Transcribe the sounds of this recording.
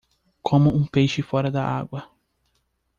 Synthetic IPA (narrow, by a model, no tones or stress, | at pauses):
kʰõmʊũpejʃɪfɔɾɐd̪ɐʔa̰ɡwɐ